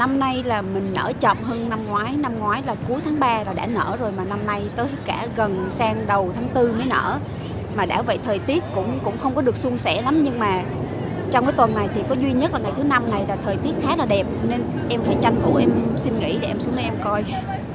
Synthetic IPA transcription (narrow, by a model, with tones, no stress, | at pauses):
na˧mna˧jlaː˨˩mï˨˩ŋ̟nə̰ː˧˩t͡ɕə̰˧˨mɦəː˧nna˧mŋwaː˨˦jna˧mŋwaː˨˦jlaː˨˩ku˨˦jt̪ʰaː˨˦ŋɓaː˧laː˨˩ɗa̰ː˧˥nə̰ː˧˥zo˨˩jmaː˨˩na˧mna˧jt̪əː˨˦jkaː˧˩ɣə˨˩nsaː˧ŋɗə˨˩wt̪ʰaː˨˦ŋt̪ɨ˧məː˨˦jnə̰ː˧˩ | maː˨˩ɗa̰ː˧˥və̰˧˨jt̪ʰəː˨˩jt̪i˦˥ət̚kʊ̰˧˥ŋ͡mkʊ̰˧˥ŋ͡mxə˧wŋ͡mkɔ˨˦ɗɨ˨˩ək̚su˧əŋsɛ̰˧˥la˨˦mɲɨ˧ŋmaː˨˩ | t͡ɕɔ˧wŋ͡mkaː˨˦jt̪wə˨˩nːa˨˩jt̪ʰi˨˩kɔ˨˦zwi˧ɲə˦˥t̚laː˨˩ŋa˨˩jt̪ʰɨ˨˦na˧mna˨˩jlaː˨˩t̪ʰəː˨˩jt̪i˦˥ət̚xaː˨˦laː˨˩ɗɛ˨˩p̚ne˧n | ʔɛ˧mfaː˧˩jt͡ɕa˧jŋ̟vṵ˧˩ʔɛ˧msi˧nŋḭ˧˥ɗe˧˩ʔɛ˧msu˨˦əŋə˨˦ʔɛ˧mkɔ˧j